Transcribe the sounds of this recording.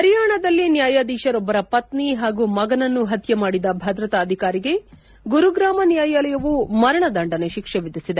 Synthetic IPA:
ɐɾjaːɳɐd̪ɐlːinjaːjaːd̪iːʃɐɾɔbːɐɾɐpɐt̪niɦaːɡuːmɐɡɐnɐnːuɦɐt̪jɐmaːɽid̪ɐbʱɐd̪ɾɐt̪aːd̪ʱikaːɾiɡe̞ | ɡuɾuɡɾaːmɐnjaːjalɐjɐʋumɐɾɐɳɐd̪ɐɳɖɐneʃikʂeʋid̪isid̪e

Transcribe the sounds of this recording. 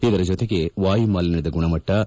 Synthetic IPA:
id̪ɐɾɐd͡ʒot̪eɡe̞ʋaːjimaːlɐnɐd̪ɐɡuɳɐmɐʈːɐ

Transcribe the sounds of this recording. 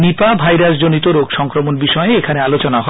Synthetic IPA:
nipabʱajɾas̬d͡ʑonit̪oɾokʃɔŋkɾomonbiʃɔeeekʰanealot͡ɕonaɦɔ

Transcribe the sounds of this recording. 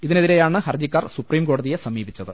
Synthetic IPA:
iðineðiɾejaːɳɨhɐrd͡ʑikːaːrsupriːmko̞ːɽɐðije̞sɐmiːbit͡ɕːɐðɨ

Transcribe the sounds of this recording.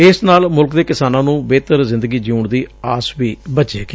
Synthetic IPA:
ɪsnaːlmʊlkd̪eːkɪsaːnãːnũːbeːt̪əɾzɪ̃nd̪əɡiːd͡ʒiuːɳd̪iːaːsʋiːbətːʃeːkː

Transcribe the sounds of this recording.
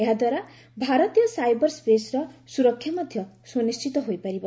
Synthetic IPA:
ɦãd̪waɾa | bʱaɾʌt̪ijʌsajbʌrspesrʌsuɾʌkʰːjamʌd̪ʱjʌ | sonist͡ʃit̪ɔɦojpʌɾibʌ

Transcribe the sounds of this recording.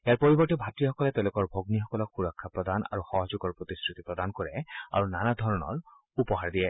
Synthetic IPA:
ejaɹpoɹibɔɹtɛbʱatɹixɔkɔlɛt̪ɛʊ̃lʊkɔɹbʱoɡnixɔkɔlɔkxuɹɔkʰːapɹɔd̪ana̰ɹuxɔɦɔzuɡɔɹpɹot̪iskɹit̪ipɹɔd̪ankoɹɛa̰ɹunanadʱɔɹɔnɔ̰ɹ | upɔɦaɹd̪iɛ

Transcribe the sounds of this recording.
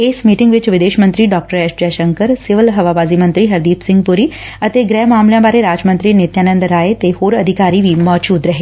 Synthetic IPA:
eːsmiːʈɪ̃ŋɡʋɪt͡ʃʋɪd̪eːʃmə̃nt̪ɾiɖɔːk̚ʈəɾɛʃd͡ʒɛʃə̃ŋkəɾsɪʋəlɦɐʋaːbaːzimə̃nt̪ɾiɦɐɾd̪iːpsɪ̃ŋɡ̚pʊɾi | ɐt̪eɡɾɛːmaːmljãbaːɾeɾaːd͡ʒmə̃nt̪ɾinɪt̪jaːnə̃nd̪ɾaːet̪ehoːɾɐd̪ʱɪkaːɾiʋʱimɔːd͡ʒuːd̪ɾɐɦeː

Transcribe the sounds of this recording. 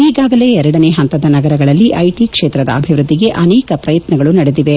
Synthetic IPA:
iːɡaːɡɐle̞ːɛɾɐɽɐneːɦɐnt̪ɐd̪ɐnɐɡɐɾɐɡɐɭɐlːiʔɐjʈikʂeːt̪ɾɐd̪ɐ̰ɐbʱiʋɾud̪ʱːiɡe̞ʔɐnɛːkɐpɾɐjɐt̪nɐɡɐɭunɐɽed̪iʋe

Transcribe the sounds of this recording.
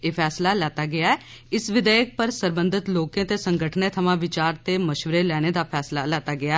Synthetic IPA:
eːpʰɛːslaːlɛːt̪aːɡɪaːɛː | ɪsʋɪd̪ɛːjək̚pəɾsəɾbə̃nd̪ɪt̪loːkẽːt̪eːsəŋɡəʈʰnẽːt̪ʰəmãːʋɪt͡ʃaːɾt̪eːməʃʋəɾeːlɛːñeːd̪aːpʰɛːslaːlɛːt̪aːɡɪa

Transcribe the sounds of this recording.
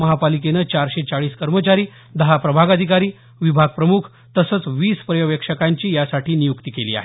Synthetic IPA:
əɦapalik̬enəːt͡ɕaɾɕet͡saɭiːskəɾmət͡ɕaɾiː | d̪əɦapɾəbʱaɡad̪ʱikaɾiː | ʋibʱaɡ̚pɾəmukʰ | t̪əsət͡sʋiːspɾəjəʋjəkʂəkaɲt͡ɕiːjasaʈiːnijukt̪iːkeliːa̰ɦe

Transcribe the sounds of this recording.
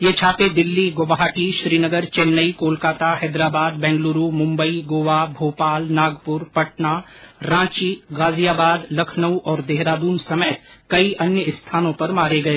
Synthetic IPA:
jeːt͡ʃʰaːped̪ɪlːiɡoʋaɦaʈiʃɾiːnəɡəɾt͡ʃeːlnəikoːlkaːt̪aɦɛːd̪ɾaːbaːd̪̚bɛ̃ːŋɡluːɾumʊ̃mbəiɡoːʋabʱoːpaːlnaːɡpʊɾpɐʈna | ɾãːt͡ʃiɡaːzijaːbaːd̪lɐkʰnəwʔɔːɾd̪eːɦɾaːd̪uːnsɐmeːt̪kɐiʔɐnjəɪst̪ʰaːnõpɐɾmaːɾeɡɐeː

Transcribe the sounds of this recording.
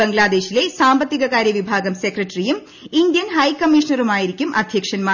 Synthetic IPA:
ɐŋɡlaːd̪eːɕile̞saːmbɐt̪ːiɣɐɣaːɾjɐʋibʱaːɡɐmsekrɐʈːrijum | ind̪jɐnhɐjkɐmːiʂɐnɐrumaːjiɾikʲːumʔɐ̰d̪ʱjɐkʂɐnmaː

